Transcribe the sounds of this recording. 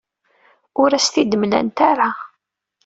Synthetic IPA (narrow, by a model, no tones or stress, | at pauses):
ʊɾæst̪id̪əmlæ̰nt̪aɾa